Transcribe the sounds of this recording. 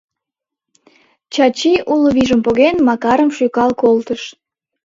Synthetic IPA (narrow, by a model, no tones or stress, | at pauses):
t͡ɕɑt͡ɕiʔuloβiʒəmpoɣenmɑkɑɾəmʃykɑlkolt̪əʃ